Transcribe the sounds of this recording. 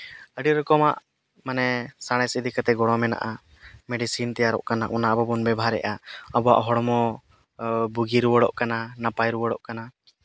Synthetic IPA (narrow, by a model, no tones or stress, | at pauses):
əɖiɾɔkɔma̰ʔ | manɛsaɽ̃ɛjsəd̪ikat̪ɛɡɔɽ̃ɔmɛna̰ʔa | mɛɖisint̪ɛjaɾɔ̰ʔkanaʔɔnaʔbɔbɔnbɛbʱaɾɛ̰ʔaəbɔwa̰ʔɦɔɽɔmɔ | buɡiɾuwəɽɔ̰ʔkananapajɾuwəɽɔʔkana